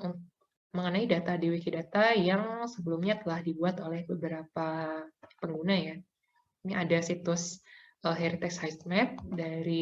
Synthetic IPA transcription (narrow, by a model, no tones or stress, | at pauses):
unt̪ʊ | məŋənaidat̪adiwikidat̪ajaŋsəbəlumɲat̪əlahdibuat̪olɛhbəbəɾapapəŋɡunaja | niadasit̪ʊsʔəɦɛɾit̪ɛkshajsmɛt̪̚daɾi